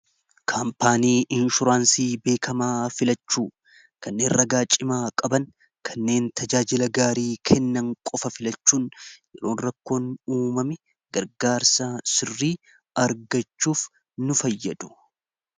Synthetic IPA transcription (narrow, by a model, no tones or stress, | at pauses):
kʰaːmpaːniːʔɪnʃʊɾaːnsiːbe̞ːkʰɐmaːfɪlɐt͡ʃːuː | kɐnːe̞ːnrɐɡaːt͡ʃʼːɪmaːkʼɐbɐŋ | kʰɐnːe̞ːnt̪ʰɐd͡ʒaːd͡ʒɪlɐɡaːɾiːkʰɛnːɐŋkʼɔfɐfɪlɐt͡ʃːuːnjɛɾo̞ːnɾɐkːo̞ːnuːmɐmɪ | ɡ̥ɐɾɡaːɾsasɪrːiː | ɐɾɡɐt͡ʃːuːf | nʊfɐjːɐd̪ʊ̥